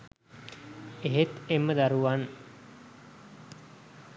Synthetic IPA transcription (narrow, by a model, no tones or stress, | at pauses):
eɦet̪emːəd̪aɾuʋan